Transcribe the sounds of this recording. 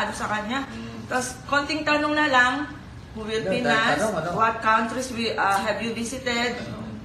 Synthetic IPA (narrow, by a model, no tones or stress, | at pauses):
d̪osɐkɐɲat̪oskont̪ɪŋt̪ɐnoŋnɐlaŋ | huwɪlpinnɐswɐt̪̚kawnt̪ɾiswiʔɦɛvjuvisɪt̪ɛd̪̚